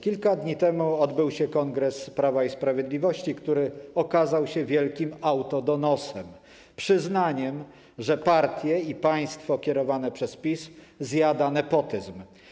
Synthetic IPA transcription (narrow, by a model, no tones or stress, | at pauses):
kʲilkad̪ɲit̪ɛmuɔd̪bɘwɕɛkɔŋɡɾɛspɾavaispɾavʲjɛd̪lʲivɔɕt͡ɕikt̪uɾɘɔkazawɕɛvʲjɛlkʲimawt̪ɔd̪ɔnɔsɛm | pʂɘznaɲɛm | ʐɛpaɾt̪ʲjɛipaj̃st̪fɔkʲɛɾɔvanɛpʂɛspʲiszjad̪anɛpɔt̪ɘzm